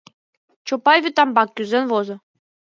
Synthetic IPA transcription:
t͡ɕopɑjvʲit̪ɑmbɑkʲːyzʲenʋozɤ̆

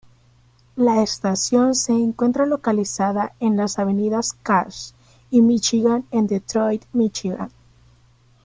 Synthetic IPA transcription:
laest̪asjo̞nse̞ːŋkwe̞nt̪ɾalo̞kalisaðae̞nlasaβe̞niðaskaɾs | imit͡ʃiɣanend̪et̪ɾojt̪mit͡ʃiɣa̰n

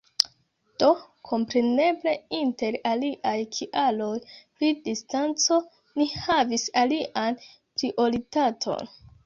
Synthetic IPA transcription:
d̥o̞ | kʰo̞mpɾe̞ne̞ble̞inte̞ɾaliʔajkʰiʔalo̞jpɾidistant͡so̞ | nihavisaliʔan | pɾiʔo̞ɾitatʰo̞̰n

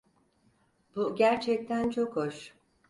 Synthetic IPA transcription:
b̥uɟæɾt͡ʃʰɛc̚t̪ʰænt͡ʃʰo̞khoʃ

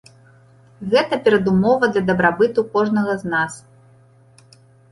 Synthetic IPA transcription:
ɣɛt̪ɐpʲɛɾɐd̪umɔvɐd̪lʲɐd̪ɐbɾabɨt̪ukɔʐnɐɣɐznas

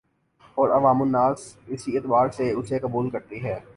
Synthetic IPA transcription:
ɔːɾɐʋaːmʊnːaːsɪsiɪt̪baːɾseʊsekɐbuːlkɐɾt̪iɦɛː

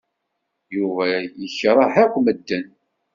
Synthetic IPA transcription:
juvæjəçːɾˤɑħækʷːməd̪ːən

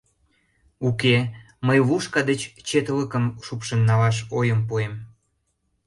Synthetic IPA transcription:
uke | məjβuʃkɑd̪et͡ɕt͡ɕet̪ələkəmʃupʃənːɑlɑʃ̬ojəmpuem

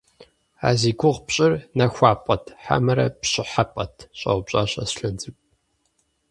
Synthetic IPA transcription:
a̰ːziːɡʷʊʁpɕʼɪrnɐxʷɑːpʼɐtʰħa̰mɐɾɐ̰pɕɪħapʼɐtʰɕʼɐ̰wʷbɕʼaːɕʼɐ̰sɬɐnd͡zʼɨkʼ

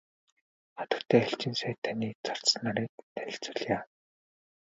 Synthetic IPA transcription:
χat̪ə̆rt̪ʰeːæɬt͡ɕĭːnsæːt̪ʰaniːt͡sɔr̥t͡snaɾiːk̚t̪ʰæɾʲɪ̆ɬt͡sə̆ɮjaː

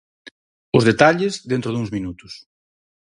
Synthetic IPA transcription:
ʊzðet̪aʎɪzðent̪ɾʊðuŋzmĩnut̪ʊ̥s

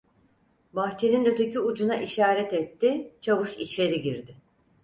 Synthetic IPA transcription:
baxt͡ʃʰe̞ninøt̪ʰecyud͡ʒunaʔiʃaːɾɛt̪ɛt̪ːɪt͡ʃʰavɯʃḭt͡ʃʲeɾiɟiɾd̪ɪ

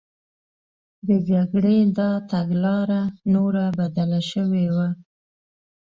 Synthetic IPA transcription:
d̪əd͡ʒaɡɽed̪ɑt̪aɡlɑɾanoɾabad̪alaʃəwewa

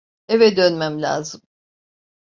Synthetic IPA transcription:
evɛd̪ønmæmlʲa̰ːzɯm

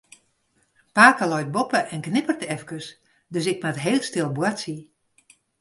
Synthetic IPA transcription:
paːkəlɔjt̚bopəʔɛnknɪpərtɛfkəs | døs̬ɪk̚matɦeːlˠtstɪlˠbwatsi

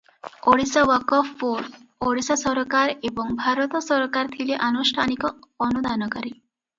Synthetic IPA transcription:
oɽisaʋɔkɔfːoɾoɽisasɔɾkaɾebɔŋbʱaɾɔt̪ɔsɔɾkaɾt̪ʰileʔanusʈʰanikɔːnud̪ʱanɔkɔɾi

